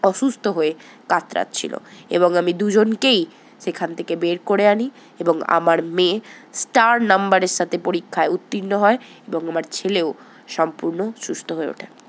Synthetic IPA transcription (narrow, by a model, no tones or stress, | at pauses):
ɔʃust̪ʰoɦoe | kat̪ːɾa̰t̪t͡ɕʰḭlo̰ḛboŋamid̪ud͡ʑonkej | ʃekʰant̪ʰekebeɾkoɾeani | eboŋa̰maɾmẽsʈaɾnambaɾeɾʃat̪ʰepoɾikʰːaeut̪ːinːoɦɔeeboŋamaɾt͡ɕʰeleo | ʃɔmpuɾnoʃust̪ʰoɦoeo̰ʈʰa